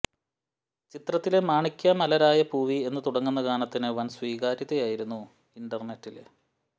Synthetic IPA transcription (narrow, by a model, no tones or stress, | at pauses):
t͡ɕit̪rɐt̪ːile̞maːɳikʲːɐmɐlɐɾaːjɐbuːʋie̞nːɨt̪uɽɐŋːunːɐɡaːnɐt̪ːinɨʋɐnsʋiːɡaːɾiðɐjaːjiɾunːu | iɳɖɐrne̞tːilḛ